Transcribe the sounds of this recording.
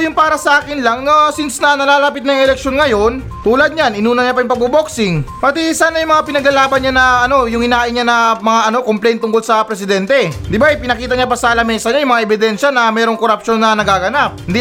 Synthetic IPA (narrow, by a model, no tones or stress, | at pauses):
jʊŋpaːɾɐsɐʔaːkɪnlɐŋasɪnsnɐnɐlaːlapɪt̪nɐjŋɛlɛk̚ʃo̞nŋɐjo̞n | t̪uːlɐd̪̚ɲanʔɪnuːnɐɲɐpɐjʊŋpɐɡ̚boboksɪŋpɐt̪ɛsaːnːɐjʊŋmɐŋapɪnɐɡlɐlaːbɐnɲanɐɐno̞jʊŋhɪnaːʔɪɲanɐmɐŋaʔɐno̞komplɛjnt̪ʊŋkolsɐpɾɛsɪd̪ɛnt̪ɛd̪ɪbajpɪnɐkiːt̪ɐɲapɐsɐlɐmɛsɐɲajʊŋmɐŋaʔɛbɪd̪ɛnʃɐnɐmɛːɾo̞ŋkoɾɐpʃo̞nːɐnɐɡaɡɐnap̚ɪnd̪i